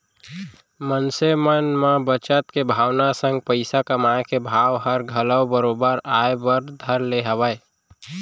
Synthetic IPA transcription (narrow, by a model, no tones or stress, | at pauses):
mənsemənmãbət͡ʃət̪kebʱaːwnasə̃ŋɡ̚pəɪsakəmaẽkebʱaːwɦəɾɡʱələwbəɾobəɾaebəɾd̪ʱəɾleɦəwəe